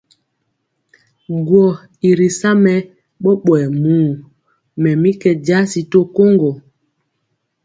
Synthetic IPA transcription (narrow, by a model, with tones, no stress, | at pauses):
ɡwɔ˨ | i˨ɾi˨sa˦mɛ˨ | ɓɔ˦ɓwɛ˨muː˦˨ | mɛ˨mi˦kɛ˦d͡ʒa˦si˨to˦ko˦ŋɡo˨